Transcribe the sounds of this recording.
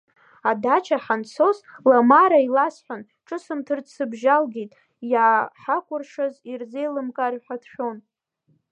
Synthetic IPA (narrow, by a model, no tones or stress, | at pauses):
adat͡ʃʰaħant͡sʰo̞slamaɾailasħʷᶣan | ʈ͡ʂʼɨsɨmtʰɨrt͡sʰɨbʒalɡitʼ | jaːħakʷʼʊrʂazirzejlɨmkʼarħʷatʰʃᶣon